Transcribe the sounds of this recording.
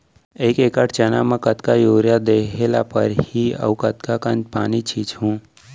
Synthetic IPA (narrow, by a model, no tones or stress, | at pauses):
eikekəʈʰt͡ʃəna̰mekət̪kajoɾjad̪ekʰela̰pəɾhiə̰wkət̪kakənd͡ʒpanit͡ʃʰit͡ʃɦũ